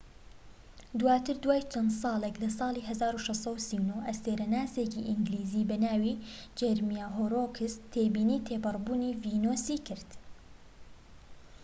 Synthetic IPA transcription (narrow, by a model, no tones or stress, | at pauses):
d̪uwaːt̪ʰɨɾd̪waːjt͡ʃʰɐnd̪sˤɑːlˠeklɐsɑːlˠiːɦɐzaːɾuːʃɛsˤɑusiwnoʔɐseːɾɐnaːseːkiʔɪŋɡliːziːbɐnaːwiːd͡ʒeɾmijaːɦoːɾoːkʰɪst̪ʰeːbiːniːt̪ʰeːpɨrˤbuːniːviːnoːsiːkʰɪɾd̪